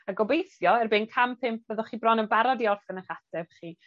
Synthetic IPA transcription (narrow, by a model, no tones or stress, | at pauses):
aɡɔbejθjɔɛrbenkʰampʰɪmp̚ʰv̥ɛðɔχiːbrɔnənbaɾɔdiɔrfɛnəχatʰɛv̥χiː